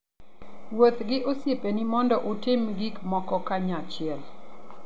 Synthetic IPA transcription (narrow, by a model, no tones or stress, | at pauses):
wot̪ɡɪʔosjepenimɔndɔʔotɪmɡikmɔkɔkaɲat͡ʃɪɛl